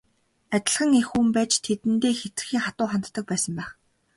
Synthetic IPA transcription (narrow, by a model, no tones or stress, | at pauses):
at̪ʲɪ̆ɮχə̆ŋexuːmpæːt͡ɕt̪ʰet̪ɘ̆nt̪eːxet͡sɘ̆xiːŋχat̪ʊːχant̪ːə̆k̚pæːsə̆mpæːχ